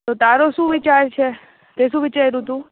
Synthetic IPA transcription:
t̪ot̪aːɾoʃũʋɪt͡ʃaːɾt͡ʃʰe | t̪eʃũʋɪt͡ʃaeɾũt̪ũ

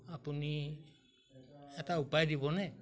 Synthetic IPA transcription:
apuni | at̪aupaidiβone

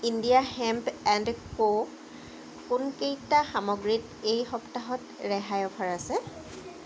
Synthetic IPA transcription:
indijahɛmpɛndko | kunkejtaxamɔɡɹit | ejxɔptaɦɔt | ɹɛɦajɔpʰaɹasɛ

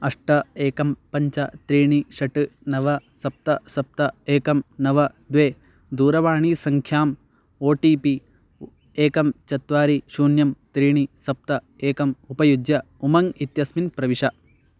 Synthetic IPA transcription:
ɐʂʈɐeːkɐmpɐɲt͡ʃɐt̪ɾiːɳiʃɐʈɨnɐʋɐsɐp̚t̪ɐsɐp̚t̪ɐeːkɐmnɐʋɐ | d̪ʋeː | d̪uːɾɐʋaːɳiːsɐŋkʰjaːm | oːʈiːpi | eːkɐmt͡ʃɐt̪ʋaːɾiʃuːnjɐmt̪ɾiːɳisɐp̚t̪ɐ | eːkɐmupɐjud̪jɐ | umɐŋit̪jɐsminpɾɐʋiʂɐ

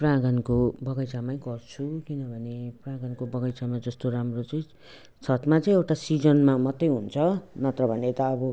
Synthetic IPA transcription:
prãɡʌnkobʌɡʌjt͡samaĩɡʌrt͡sʰukinʌbʱʌneprãɡʌnkobʌɡʌjt͡samad͡zʌst̪oɾamrot͡sʌĩ | sʌt̪mat͡saĩewʈasid͡zʌnmamʌt̪ːʌjɦunt͡sʰʌnʌt̪rʌbʱʌnet̪ʌːbʌ

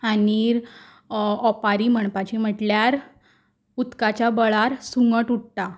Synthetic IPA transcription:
aniɾ | ɔpaɾim̤əɳpat͡ɕim̤əʈljaɾ | ut̪kat͡ɕabəɭaɾsuŋɡəʈuʈ̚t̪a

